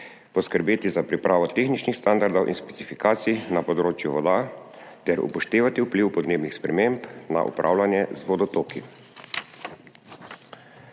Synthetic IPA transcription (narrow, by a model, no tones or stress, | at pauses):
pɔskəɾbeːt̪izapɾipɾʔaːʋɔt̪eːxnit͡ʃnixst̪and̪aɾd̪ɔwʔḭnspɛ̥t̪sifikaːt̪sijnapɔd̪ɾoːt͡ʃjuʋɔd̪a | t̪ɛɾṵpɔʃt̪eːʋat̪iupliwpɔd̪neːbnixspɾɛmempna̰ʔṵpɾʔa̰ːwlanjɛzʋɔd̪ɔt̪oːki